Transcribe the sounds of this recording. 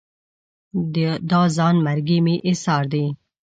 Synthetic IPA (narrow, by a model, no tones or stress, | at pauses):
d̪ɑzɑnmaɾɡimiʔɪsɑɾd̪i